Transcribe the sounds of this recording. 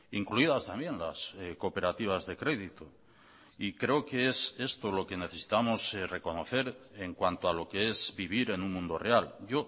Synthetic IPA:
iŋkluiðast̪ambje̞nla̰seko̞pe̞ɾat̪iβ̞azðe̞kɾe̞ðit̪o | ikɾe̞oke̞e̞se̞st̪o̞lo̞ke̞ne̞θe̞si̥t̪amo̞sre̞ko̞no̞θe̞ɾeŋkwant̪oalo̞kee̞zβiβ̞iɾe̞nũŋmũnd̪o̞realɟ͡ʝo̞

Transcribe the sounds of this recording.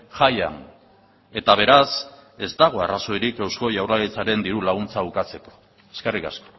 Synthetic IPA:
ʝaja̰n | e̞t̪aβ̞e̞ɾase̞zt̪aɣ̞o̞araso̞eɾikewsko̞jawrlalit͡saɾe̞nd̪iɾulaɣ̞unt͡saβukat͡se̞ko̞̥ | e̞skerikasko̥

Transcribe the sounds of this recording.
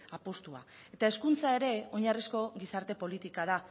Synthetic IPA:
apost̪ua̰e̞t̪ae̞skunt͡sae̞ɾe̞o̞ɲarisko̞ɣisaɾt̪e̞po̞lit̪ikað̞a

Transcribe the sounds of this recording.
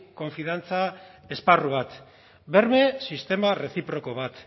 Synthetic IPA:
ko̞ɱfiðant͡sa | e̞sparuβat̪ | be̞ɾme̞sist̪e̞mare̞θipɾo̞ko̞βat̪

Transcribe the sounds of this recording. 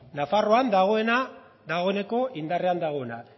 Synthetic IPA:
nafaro̞and̪aɣ̞o̞ena | d̪aɣ̞o̞ene̞ko̞ʔind̪are̞and̪aɣ̞o̞ena

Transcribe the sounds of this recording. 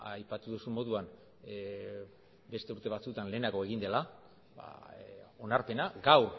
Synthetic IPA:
ajpat̪uðusumːo̞ðuan | be̞st̪e̞uɾt̪e̞β̞at͡sut̪anle̞ːnaɣo̞e̞ɣ̞ind̪e̞la | a̰ | o̞naɾpe̞naɡawr

